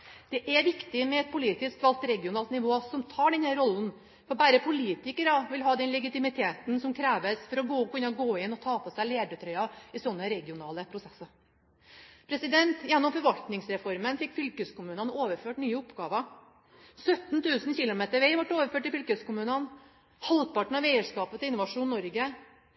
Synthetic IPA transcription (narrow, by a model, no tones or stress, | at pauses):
d̪̥ɛʔæʋɪkt̪ɪmɛɛt̪̚pʰʊliːt̪ɪskʋɑlt̪ɾɛɡɪʊnɑːlt̪nɪʋoːsɔmt̪ʰɑːɖɛnhæːɾɔlːən̩ | fɔɾbæːɾəpʰʊliːt̪ɪkəɾɑʋɪlɦɑːd̪ɛnlɛɡɪt̪ɪmɪt̪ʰeːt̪n̩sɔmkʰɾæːʋəsfɔɾɔɡoːɔkʉnːəɔɡoːɪnːɔt̪ʰɑːpʰɔsæɪleːd̪ət̪ʰɾœʏɑɪsɔnːəɾɛɡɪʊnɑ̰ːləpʰɾʊsɛsːɑ | pʰɾɛsɪd̪ɛnt̪jɛnːɔmfɔɾʋɑlt̪nɪŋsɾɛfɔɾmənfɪkːfʏlkəskʊmʉːnənoːʋəɾføːʈnyːəʊpɡɑːʋə | sœt̪nt̪ʰʉːsnçɪlʊmeːt̪əɾʋæɪʋɑʈːoːʋəɾføːʈːɪfʏlkəskʊmʉːnən | hɑld̪̚pɑʈɳ̩ɑʋɛɪəʂkɑːpət̪ʰɪɪnʊʋɑʂuːnːɔɾɡə